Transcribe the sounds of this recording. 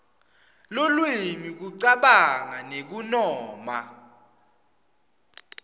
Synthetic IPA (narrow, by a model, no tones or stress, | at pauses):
lulwimik̬uǀaɓaŋanek̬unɔːma